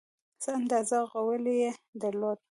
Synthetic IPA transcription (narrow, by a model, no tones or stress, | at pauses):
z̥əand̪ɑzaɣawəlejed̪aɾlod̪̚